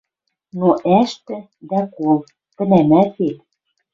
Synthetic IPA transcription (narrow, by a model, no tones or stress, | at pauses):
noʔæʃt̪ɘ̆ | d̪ækolˠ | t̪ɘ̆næmæt̪et̪̚